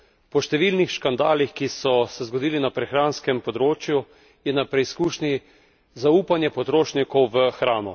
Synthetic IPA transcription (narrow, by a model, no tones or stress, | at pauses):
pɔʃt̪ɛʋiːlnixʃkand̪aːlixkisɔsɛzɡɔd̪iːlinapɾɛxɾaːnskɛmpɔd̪ɾoːt͡ʃju | jɛnapɾɛiskuːʃni | zauːpanjɛpɔt̪ɾoːʃnikɔwʋəxɾaːnɔ